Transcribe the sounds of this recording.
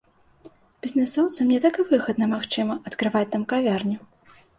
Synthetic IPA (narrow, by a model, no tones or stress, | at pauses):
bʲizʲnɨsɔwt̪sɐmnʲɛt̪akɨvɨɣɐd̪nɐmaxt͡ʂɨmɐɐt̪kɾɨvat͡sʲt̪amkavʲarnʲi